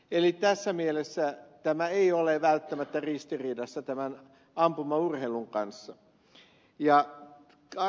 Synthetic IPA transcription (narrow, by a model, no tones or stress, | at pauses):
elit̪æsːæmielesːæt̪æmæeioleʋælt̪ːæmæt̪ːærist̪iriːdɑsːɑt̪æmæn | ɑmpumɑurheiluŋkɑnsːɑ | jɑ | k